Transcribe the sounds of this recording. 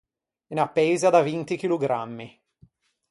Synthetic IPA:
inapːeːzad̪avint̪ik̟iluɡɾamːi

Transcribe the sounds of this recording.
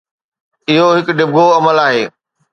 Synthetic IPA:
ɪɦoɦɪkɖɪb̚ɡʱoɐməlaːɦeː

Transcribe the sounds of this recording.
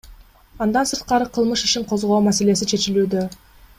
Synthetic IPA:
ɑnd̪ɑnsɯɾt̪̚qɑɾɯqʰɯlˠmɯʃiʃiɴqʰo̞zʁo̞ːumase̞le̞sit͡ʃʰe̞t͡ʃilyːd̪ø

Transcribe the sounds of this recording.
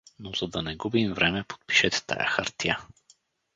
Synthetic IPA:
nozɐd̪ɐnɛɡubimvɾɛmɛpo̥t̪̚pi̥ʃɛt̪ɛ̥t̪ʰa̰ja̰xa̰ɾt̪ija

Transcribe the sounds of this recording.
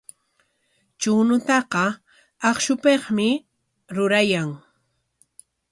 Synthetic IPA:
t͡ʃunʊt̪ɑqɑ | ɑχʃʊpeχmɪ | ɾʊɾajaŋ

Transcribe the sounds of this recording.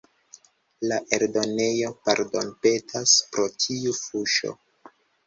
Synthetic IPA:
laʔe̞ɾdo̞ne̞jo̞paɾdo̞npe̞tʰaspɾo̞tʰiufuʃo̞̰

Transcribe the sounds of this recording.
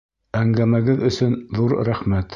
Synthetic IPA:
æŋɡæmæɡɘðɵ̆sɵnðuɾɾæχmæt̪

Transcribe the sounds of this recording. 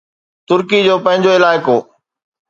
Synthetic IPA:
t̪ʊɾkid͡ʑoːpɐ̃ɦɪ̃ɲd͡ʑoɪlaːɪkoː

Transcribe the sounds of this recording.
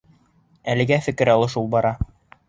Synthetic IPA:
ælɘ̆ɡæfɘ̆kɘ̆ɾɑlˠɤʃulˠbɑɾɑ

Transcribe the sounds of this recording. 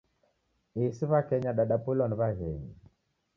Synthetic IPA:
esiβakɛɲaɗaɗapulɔnβaɣɛɲi

